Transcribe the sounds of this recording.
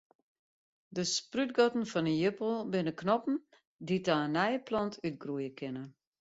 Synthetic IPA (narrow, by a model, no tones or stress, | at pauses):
dəspryt̚ɡɔtn̩fɔnəjəpəl̩ˠbɪnəknɔpn̩ | ditanɛjəplɔntʰyt̚ɡrujəkʰɪnə